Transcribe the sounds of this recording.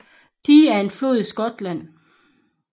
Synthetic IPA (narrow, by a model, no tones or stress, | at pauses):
d̥iæɐe̝nflo̝ð̰ˠisɡ̥ɒ̽d̥læn̰